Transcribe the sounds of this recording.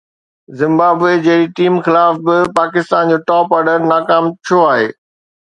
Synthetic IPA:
zɪ̃mbaːbed͡ʑɐɦɪɾiʈiːmxɪlaːfbɪpaːkɪst̪aːnd͡ʑoːʈɔːpɔɾɖəɾnaːkaːmt͡ɕʰoaːɦeː

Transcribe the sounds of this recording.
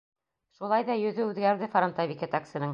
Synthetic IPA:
ʃulˠɑjðɑjɵ̆ðɵʉðɡæɾðɘfɾont̪avʲiket̪aksɘ̆nɤŋ

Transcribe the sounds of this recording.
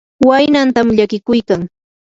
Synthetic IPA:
wajnant̪amʎakɪkʊjkaŋ

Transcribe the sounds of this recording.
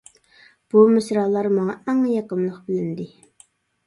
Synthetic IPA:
b̥umɪsɾɑːlˠɑɾmɑŋɑæŋjɑqəmlˠəqbɪlɪnd̪ɪ

